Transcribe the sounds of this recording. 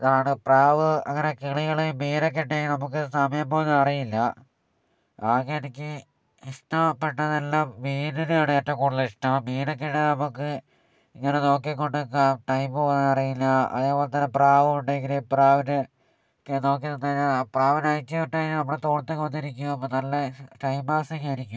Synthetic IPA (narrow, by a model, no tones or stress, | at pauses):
iðaːɳɨpraːʋɨɐ̰ŋːɐnekeɭiɣɐɭemiːnok̬ːeʈːenɐmuk̬ːɨsɐmɐjɐmpoːɐnːɐrijilːɐ | aːɣeenikʲːɨ | iʂʈɐmpeʈːɐðelːaːmʋiːninaːɳɨeʈːɐkuːɽilːɐiʂʈɐmmiːnok̬ːeʈːenɐmukːɨ | iŋːɐneno̞ːkːikːo̞ɳɖɨaʈɐjmbpoːnːɐrijilːɐɐ̰ðeːpo̞ːlet̪ːɐnːepraːʋɨkoɳɖeŋɡilepraːʋinɨ | no̞ːk̬ːinunːɐːɾiɲːaːpraːʋinajt͡ɕʲːipeʈːɐːnɐmːuɭet̪o̞ːɳt̪ːekːʋɐnːiɾikʲːumɐpːoːnɐlːɐʈɐjmbaːsikːaːɾikʲːumm